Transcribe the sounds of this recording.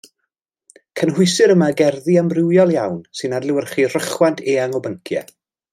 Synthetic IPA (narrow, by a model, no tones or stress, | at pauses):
kʰənɦʊɨsɨɾəmaɡɛrðiambrɪwjɔlˠjawnsɨnadlɪwərχir̥əχwantʰeːaŋɔbəŋkʰjɛ̰